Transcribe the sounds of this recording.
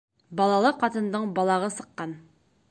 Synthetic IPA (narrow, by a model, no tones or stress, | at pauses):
bɒlˠɑlˠɤqɑt̪ɤ̆nd̪ɤɴbɒlˠɑʁɤsɤ̆qːɑn